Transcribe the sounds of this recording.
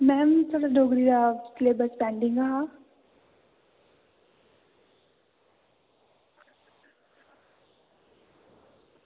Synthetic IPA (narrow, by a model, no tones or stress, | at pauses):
mɛmt̪ʰoːɽaɖoːɡɾiɾakleːbəɾspɛ̃ːɳɖĩŋɡaɦa